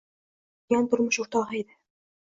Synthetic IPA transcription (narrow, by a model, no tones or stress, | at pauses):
jɑnt̪ŏɾmɤʃuɾt̪ɑʁɑid̪ɘ